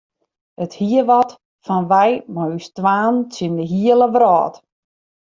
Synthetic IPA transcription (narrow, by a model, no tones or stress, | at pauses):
əthiəʋɔt | fɔnʋɛjmɔystʋaːnt͡sindəɦiələʋrɔːt